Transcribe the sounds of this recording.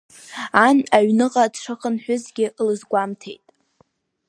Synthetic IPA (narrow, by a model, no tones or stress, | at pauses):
anaɥnɨqʼadʂʰaχənħʷᶣʊzɡʲɪlɨzɡʷamtʰḛjtʼ